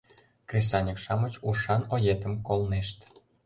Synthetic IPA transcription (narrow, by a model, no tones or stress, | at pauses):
krʲesɑnʲikʃɑmət͡ɕuʃɑnojet̪ə̆mkolneʃt̪